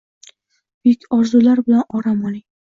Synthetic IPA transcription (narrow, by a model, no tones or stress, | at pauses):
bekʲʰɒɾzʊlaɾbɪlanɒɾamɒlɪŋ